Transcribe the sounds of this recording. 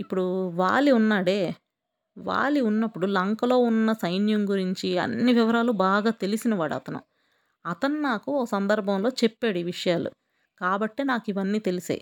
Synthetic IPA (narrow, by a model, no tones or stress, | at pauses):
ipːuɽuʋa̰ːɭiunːaːɽe̞ː | ʋa̰ːɭiunːɐpːuɽulɐŋkɐlo̞ːunːɐsɐjnjɐmɡuɾiɲt͡ʃiɐ̰nːiʋiʋɐɾaːlubaːɡaːt̪e̞lisinɐʋaːɽuɐ̰t̪ɐnṵ | ɐt̪ɐnunaːkuɔkːsɐnd̪ɐɾbʱɐmlo̞ːt͡ʃepːeːɽiʋiʂɐjaːlṵ | kaːbɐʈːeːnaːkiʋɐnːiːt̪elisa̰ːjḭ